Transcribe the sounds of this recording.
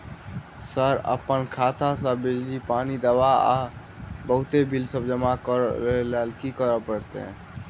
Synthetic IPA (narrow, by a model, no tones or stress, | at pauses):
səɾə̰pənkʰat̪ʰasə̃bid͡ʒlipanid̪əʋaa̰ | bəɦʊt̪ebʱilsəbd͡ʒəmakəɾelelkikəɾəpəɾt̪ḛ